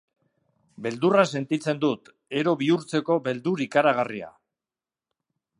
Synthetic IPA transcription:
be̞ld̪urase̞nt̪it͡se̞nd̪ut̪ | e̞ɾo̞βiuɾt͡se̞ko̞βe̞ld̪uɾikaɾaɣ̞aria̰

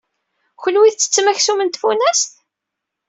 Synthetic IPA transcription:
çənwiθt͡sːə̥t͡sːmæçsumənt̪funæst̪

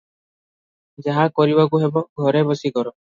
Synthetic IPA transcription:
d͡ʒaɦakɔɾibakuɦebɔɡʱɔɾɛbɔsikɔɾɔ

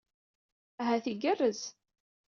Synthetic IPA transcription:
æɦæθiɡərːəz

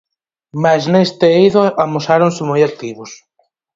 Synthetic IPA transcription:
maznest̪eiðoʔamosaɾonsɪmojak̚t̪iβʊs

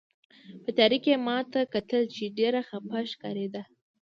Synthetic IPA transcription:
pət̪ɑɾikemɑt̪akat̪əlt͡ʃeɖeɾaxapaʃkɑ̰ɾed̪a

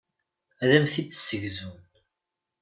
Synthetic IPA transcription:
æðæmθid̪sːəʝzun

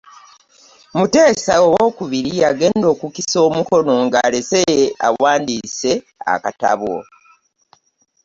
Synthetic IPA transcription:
mute̞ːsaowoːkuβiɾiaɡe̞ːndo̞ːkukiso̞ːmuko̞no̞ŋɡa̰lesejea̰waːndise̞ | a̰kata̰βo̰

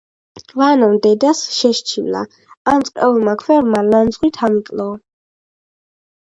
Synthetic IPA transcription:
vanɔmd̪ɛd̪asʃɛʃt͡ʃʰḭvla̰ | amt̪sʼqʼɛulˠmakʰvɛɾmaland̪zʁwit̪ʰamikʼlˠɔ

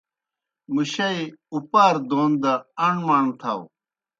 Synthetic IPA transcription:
muɕɐiupaːɾd̪oːnd̪ɐɐɳmaːɳt̪ʰa̰w

